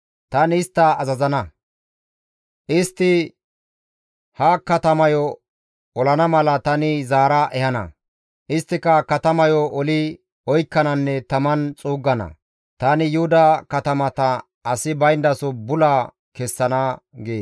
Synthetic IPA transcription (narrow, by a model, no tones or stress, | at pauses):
t̪ɐnɪst̪ːɐːzɐzɐnɐ | ʔɪst̪ːɪ | hɐkɐt̪ɐmɐjɔ | ɔlɐnɐmɐlɐt̪ɐnɪzaːɾɐʔɛhɐnɐ̰ | ʔɪst̪ːɪkɐkɐt̪ɐmɐjɔʔɔlɪ | ɔjkːɐnɐnːɛt̪ɐmɐnt͡sʼuːɡːɐnɐ̰ | t̪aːnɪjʊhʊd̪ɐkɐt̪ɐmɐt̪ɐ | ɐsɪbɐjnd̪ɐsɔbʊlɐ | kɛsːɐnɐɡeː